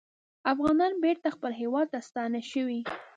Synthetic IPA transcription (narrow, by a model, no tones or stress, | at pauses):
afɣɑnɑnbeɾt̪axpəlɦewɑd̪̚t̪ast̪ɑnaʃəwi